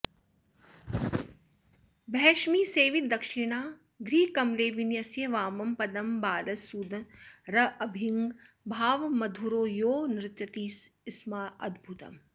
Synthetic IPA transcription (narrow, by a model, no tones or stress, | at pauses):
bʱɛːʃmiːseːʋit̪̚d̪ɐkʃɪɳ̃aː | ɡɾiːkɐmleːʋinjɐsjɐʋaːmɐmpɐd̪ɐmbʱaːɾɐsuːd̪ɐɾɐɐbʱiŋɡ | bʱaːʋmɐd̪ʱuɾoːjoːnɾɪt̪jɐt̪iːsɪsmaːɐd̪bʱut̪ɐ̰m